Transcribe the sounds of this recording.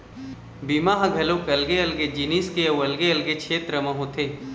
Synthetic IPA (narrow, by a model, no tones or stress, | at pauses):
bimaːɦɐ̃ɡʱɐlokɐlɡeɐlɡed͡ʒiniːskeɐwɐlɡeɐlɡet͡ʃʰeːt̪ɾəmɐ̃ɦõt̪ʰeː